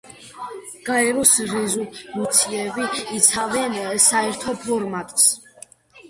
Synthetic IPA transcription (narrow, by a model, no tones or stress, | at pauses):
ɡ̥aɛɾɔsɾɛzumut̪sʰiɛbiːt̪sʰavɛnsaɛɾt̪ʰɔpʰɔɾmat̪ʼs